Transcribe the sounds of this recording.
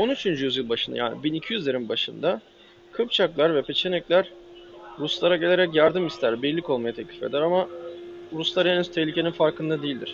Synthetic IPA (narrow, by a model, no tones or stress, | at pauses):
o̞nyt͡ʃʰynd͡ʒyjyzjɯlˠbaʃɯnd̪a̰ja̰ːnḭbinicʰijyzʲeɾimbaʃɯnd̪a | kʰɯpt͡ʃʰaklˠaɾvɛpʰe̞t͡ʃʰe̞nɛclʲæɾ̥ɾuslˠaɾaɟe̞lʲeɾɛcjaɾd̪ɯmist̪ʰæɾbejilʲːico̞lˠmajat̪ʰɛclʲi̥fe̞̰d̪æɾama | ɾuslˠaɾɛnyz̥t̪ʰɛhlʲicʰe̞ninfaɾkɯnd̪ad̪ejilʲd̪ḭɾ̥